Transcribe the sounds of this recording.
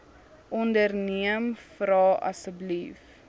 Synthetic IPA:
ʔɔndərniəmfrɑːɐ̰səblif

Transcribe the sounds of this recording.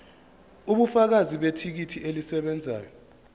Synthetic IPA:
uɓufak̬aziɓetʰik̬itʰielisɛɓɛnd͡zʱa̰ːjɔ

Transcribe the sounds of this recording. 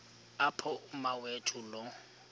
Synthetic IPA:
apʰɔʊmawetʰʼulɔ

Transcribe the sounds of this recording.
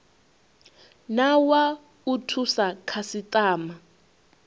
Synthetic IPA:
nawa | utʰusakʰasitʼaːma

